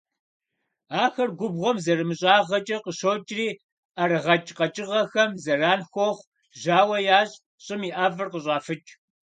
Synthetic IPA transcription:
aːxɐrɡʷʊbʁʷɔmzɐrɨmɨɕʼaːʁɐt͡ʃʼɐqəɕoːt͡ʃʼriː | aɾɨʁɐt͡ʃʼqɐt͡ʃʼɪʁɐxɐmzɐraːnxʷoχʷ | ʒaːwɐjaːɕʼ | ɕʼɪmiːʔaːvɨrqəɕʼaːfɨt͡ʃʼ

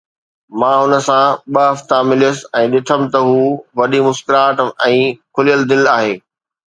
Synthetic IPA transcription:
mãːɦʊnə̆sãɓəɦɐft̪amɪlijəsɪ̆ɛ̃ːɗɪt̪ʰəmɪ̆t̪ɐɦuːʋɐɗimʊskɪɾaːʈɛ̃ːkʰʊlijəld̪ɪlaːɦeː

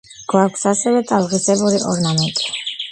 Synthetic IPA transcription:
ɡ̥waɾkʷʰsasɛvɛt̪ʼalˠʁisɛbuɾiʔɔɾnamɛnt̪ʼi̥

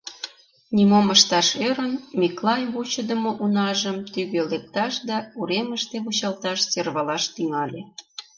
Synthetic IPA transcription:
nʲimoməʃt̪ɑʃeɾənmiklɑjβut͡ɕə̆d̪ə̆moʔunɑʒəmt̪yɣølek̚t̪ɑʃd̪ɑuɾeməʃt̪eβut͡ɕɑlt̪ɑʃt͡serβɑlɑʃt̪yŋɑlʲe

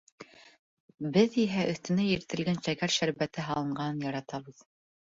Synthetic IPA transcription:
bɘðiɦæʔɵ̆θt̪ɵ̆næjɘ̆ɾt̪ɘ̆lɡænʃækæɾʃæɾbæt̪ɘɦɑlˠɤ̆ɴɢɑnɤnjɑɾɑt̪ɑβɤð

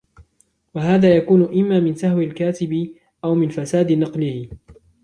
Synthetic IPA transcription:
waɦaːðaːjakuːnʊʔɪmːaːmɪnsahwɪlkaːt̪ɪbɪ | ʔawmɪnfasaːd̪nɑqlɪhɪ

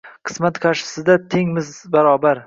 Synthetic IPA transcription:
qʰɨ̥smat̪kʰaɾʃɪ̥sɪd̪at̪ʰeŋmɪzbaɾɒbaɾ

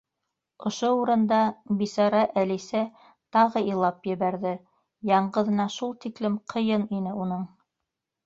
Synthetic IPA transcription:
ŏʃouɾɤ̆nd̪ɑbisɑɾɑʔælisæ | t̪ɑʁɤilˠɑpjɘ̆βæɾðɘ | jɑɴɢɤ̆ðɤ̆nɑʃulˠt̪iklɘmqʰɤ̆jɤninɘunɤɴ

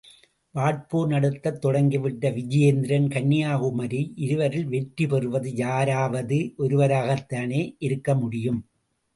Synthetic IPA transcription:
ʋaːɭpoːɾnɐɽɐt̪ːɐt̪ːɔɽɐŋɡɪʋɪʈːɐʋɪd͡ʒɪjɐnd̪ɪɾɐnkɐɳːɪjaːɣɯmɐɾiʔɪɾɯʋɐɾɪlʋɛʈɾipɛrɯʋɐðɯjaːɾaːʋɐðɯʔɔɾɯʋɐɾaːɣɐt̪ːaːneːʔɪɾɯkːɐmʊɽɪjɯm

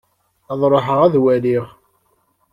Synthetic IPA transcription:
ɑðˤɾˤoħəʁæðwæliʁ

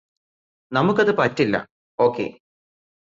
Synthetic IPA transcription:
nɐmukːɐðɨpɐtːilːɐ̰ | o̞ːkːḛ

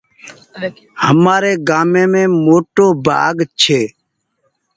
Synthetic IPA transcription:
həmaːɾeːɡaːmeːmẽːmoːʈoːba̰ːɡt͡ʃʰeː

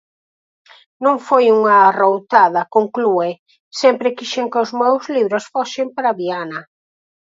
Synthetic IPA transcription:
nõŋfojuŋɐrowt̪aðɐkoŋklue | sɛmpɾɪkiʃeŋkɪʊzmewzliβɾosfosɪmpaɾaβianɐ

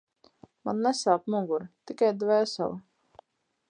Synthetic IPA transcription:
manːɛsaːpmuɡuɾt̪ikajd̪vɛːsa̰l

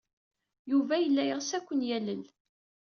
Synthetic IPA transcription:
juvæjəlːæjʁsækʷːənjæləl

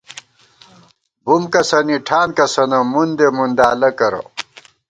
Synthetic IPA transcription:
bumkɐsɐniʈʰaːnkɐsɐnɐmund̪emund̪aːlɐkɐɾɐ̰

